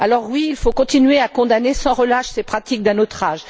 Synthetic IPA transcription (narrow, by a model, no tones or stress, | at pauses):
alɔʁwiːlfokɔ̃t̪inɥeakɔ̃d̪anesɑ̃ʁəlaʃsepχat̪ik̚d̪ɛ̃not̪χaʒ